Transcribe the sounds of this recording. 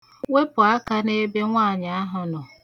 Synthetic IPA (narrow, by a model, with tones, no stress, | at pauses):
we˦pʊ˨a˦ka˦ne˦be˦ŋʷaː˦˨ɲɪ˨a˦ɦa˦nʊ˨